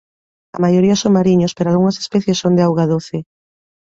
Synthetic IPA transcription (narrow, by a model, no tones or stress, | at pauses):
ɐ̰majoɾiɐsoŋmaɾiɲospeɾoalɣuŋɐse̥spɛθjesoŋd̪eawɣaðoθɪ